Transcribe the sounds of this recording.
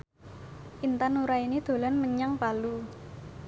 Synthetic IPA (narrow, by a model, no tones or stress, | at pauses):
ʔint̪anuɾainid̪̥o̤lanməɲaŋpalu